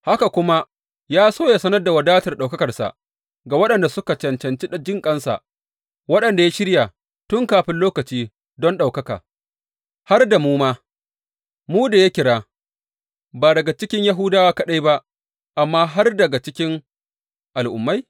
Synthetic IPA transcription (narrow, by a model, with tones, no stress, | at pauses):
ha˦ka˨kʷʊ˦ma˦ | jaː˦soː˦ja˨sɐ˦nɐ˦rda˨wɐ˨daː˦tɐ˨rɗa˨wkɐ˦kɐ˨rsa̰˨ʔ | ɡaː˨wɐ˦ɗɐ˨nda˨sʊ˦ka˨t͡ʃɐ˨nt͡ʃɐ˨nt͡ʃi˦ɗd͡ʒɪ˦ŋkʼɐ˦nsa̰˨ | wɐ˦ɗɐ˨nda˨ja˦ʃɪ˦ɽja˨ | tʊ˦ŋkaː˨ɸɪ˦nloː˦kɐ˨t͡ʃiː˦ | dɔ˦nɗa˨wkɐ˦ka̰ː˨ | ha˦rda˨muː˦maː˦ | muː˦da˨ja˦kʲɪ˨ɽaː˦ | baː˨dɐ˨ɡa˨t͡ʃɪ˦kʲɪ˦ɲja˦ɦʊ˦daː˦waː˦kɐ˦˨ɗa˦jba˦ʔ | ʔa˨mːaː˦ɦa˦rdɐ˨ɡa˨t͡ʃɪ˦kʲɪ˦ŋ | ʔa˨lʔʊ̰˨mːa˦j